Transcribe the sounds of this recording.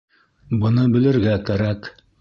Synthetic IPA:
bɤ̆nɤbɘ̆lɘ̆ɾɡækæɾæk

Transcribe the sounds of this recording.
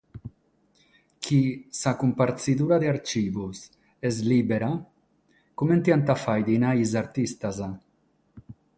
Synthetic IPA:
kʰisakumpaɾt͡sid̪uɾad̪eaɾt͡ʃibus | ezlibeɾa | kument̪iant̪afajd̪inaizaɾt̪ist̪aza

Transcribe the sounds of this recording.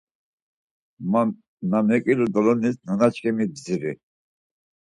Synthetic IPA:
m | namɛkʼilud̪ɔlɔnisnanat͡ʃʰkʰɛmibziɾḭ

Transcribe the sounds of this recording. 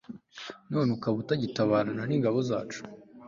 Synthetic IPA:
nunukaβutaɟitaβaːɾananiŋɡaβo̞za̰ːt͡ʃu̥

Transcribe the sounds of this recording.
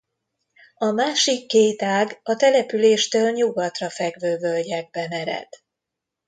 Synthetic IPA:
ɒmaːʃikːeːt̪aːɡɒt̪ɛlɛpyleːʃt̪øːlɲuɡɒt̪rɒfɛɡvøːvølɟɛɡ̚bɛmɛɾɛ̰t̪

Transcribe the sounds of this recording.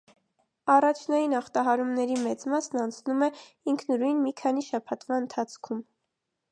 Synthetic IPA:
ɑrɑt͡ʃʰnɑjinɑχt̪ɑɦɑɾumnɛɾimɛt͡smɑsnɑnt͡sʰnumɛ | iŋkʰnəɾujnmikʰɑn̪iʃɑpʰɑt̪vɑənt̪ʰɑt͡sʰkʰum

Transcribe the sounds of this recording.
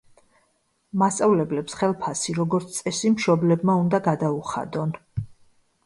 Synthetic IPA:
mast̪sʼavlɛblɛpsχɛlˠpʰasiɾɔɡɔɾt̪sʰt̪ʼɛsimʃɔblɛbmaund̪aɡad̪auχa̰d̪ɔn

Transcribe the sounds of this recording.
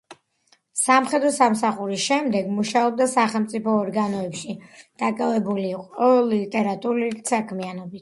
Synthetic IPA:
samχɛd̪ɾɔsamsaχuɾisʃɛmd̪ɛɡmuʃaɔb̚d̪asaχɛlˠmt̪sʼipʰɔːɾɡanɔɛpʃid̪̥akʼavɛbuliːqʼɔlit̪ʼɛɾat̪ʼuɾuisakʰmianɔbit̪ʰ

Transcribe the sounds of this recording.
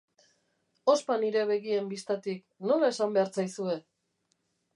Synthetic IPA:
o̞spaniɾe̞βe̞ɣie̞mbist̪at̪ik | no̞lae̞sambe̞aɾt͡sajsue̞

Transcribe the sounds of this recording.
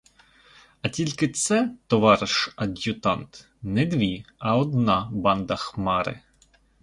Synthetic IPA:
ɐtʲilʲkɪt̪sɛt̪ɔʋɑɾɪʃɐdʲjʊt̪ɑnt̪ | nɛd̪ʋʲiɐɔd̪nɑbɑnd̪ɐxmɑɾɪ̰

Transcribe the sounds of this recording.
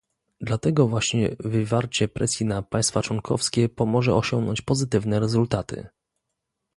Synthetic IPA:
d̪lat̪ɛɡɔvwaɕɲɛvɘvaɾt͡ɕɛpɾɛsʲjinapaj̃st̪fat͡ʂwɔŋkʰɔ̰fskʲɛpɔmɔʐɛɔɕɔŋɡnɔɲt͡ɕpɔzɘt̪ɘvnɛɾɛzult̪at̪ɘ̰

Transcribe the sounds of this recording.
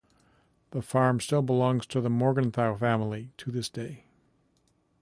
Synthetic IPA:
ðəfɑɹmstɪlˠbəlɔ̃ŋz̥tʰɨðəmɔɹɡə̃nθaʊfæ̃ml̩ˠiɾʰɨðɪsd̥eɪ

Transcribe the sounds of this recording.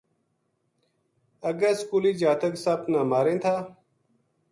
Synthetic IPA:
əɡəskuːliːd͡ʒaːt̪əksaːpnaːmaːɾẽːt̪ʰaː

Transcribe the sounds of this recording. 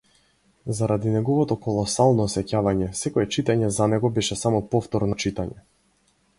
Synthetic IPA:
zaɾad̪inɛɡɔvɔt̪ɔkɔlˠɔsalˠnɔsɛcavaɲɛsɛkɔɛt͡ʃit̪aɲɛzanɛɡɔbɛʃɛsamɔpɔft̪ɔɾnɔt͡ʃit̪aɲɛ

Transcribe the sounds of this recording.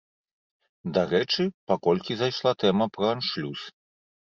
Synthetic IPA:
d̪aɾɛt͡ʂɨpakɔlʲkʲizajʂlˠat̪ɛmɐpɾɐanʂlʲus

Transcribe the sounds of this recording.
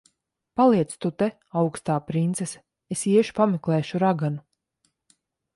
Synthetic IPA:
palˠiɛt̪st̪ut̪ɛ | awkst̪aːpɾint̪sɛs | esiɛʃpamɛklˠɛːʃuɾaɡanu

